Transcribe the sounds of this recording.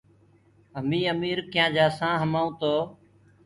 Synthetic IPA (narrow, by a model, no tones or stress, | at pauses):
əmĩːəmiːɾkɪjãːd͡ʒaːsãːɦəmaːũːt̪oː